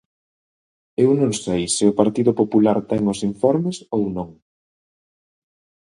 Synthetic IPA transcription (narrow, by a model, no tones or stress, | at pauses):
ewnõŋsejsɪʊpaɾt̪iðʊpopulaɾt̪ɛŋʊsiɱfɔɾmɪsownõŋ